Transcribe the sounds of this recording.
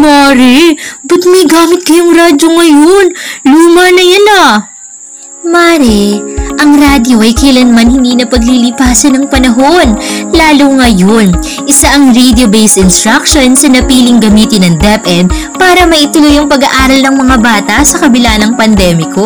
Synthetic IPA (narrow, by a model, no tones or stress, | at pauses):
moɾɛbɐt̪̚mɐjɡaːmɪt̪̚kɐjʊŋɾaːd͡ʒoŋɐjonluːmɐnɐjɐnɐ | maːɾɛʔɐŋɾaːd̪jo̞ʔɐjkɐjlɐnmɐnhɪnd̪iːnɐpɐɡlilɪpaːsɐnɐŋpɐnɐɦo̞nlaːlʊŋɐjon | ʔɪsaʔɐŋɾed̪jobejsɪnst̪ɾakʃonsɐnɐpiːlɪŋɡɐmiːt̪ɪnɐŋd̪ɛpʔɛd̪̚ | paːɾɐmɐʔɪt̪ʊlojɐŋpɐɡɐʔaːɾɐlnɐŋmɐŋabaːt̪ɐsɐkɐbɪlanɐŋpɐnd̪ɛːmɪko̞